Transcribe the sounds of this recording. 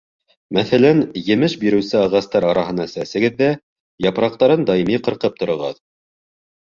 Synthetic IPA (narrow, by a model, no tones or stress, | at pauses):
mæθælænjɘ̆mɘʃbiɾɘ̆wsɘɑʁɑst̪ɑɾɑɾɑɦɤ̆nɑsæsɘ̆ɡɘðːæ | jɑpɾɑqt̪ɑɾɤnd̪ɑjimiqɤ̆ɾqɤp̚t̪ŏɾŏʁɑ̰ð